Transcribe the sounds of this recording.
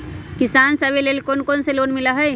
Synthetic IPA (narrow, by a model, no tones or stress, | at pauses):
kisansəbelelkonkonselonmiləɦəj